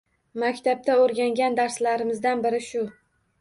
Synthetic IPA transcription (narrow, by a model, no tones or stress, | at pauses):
makʲt̪ʰap̚t̪ʰaoɾɡʲaŋɡʲand̪aɾslaɾɪmɪzd̪anbɪɾɪʃʊ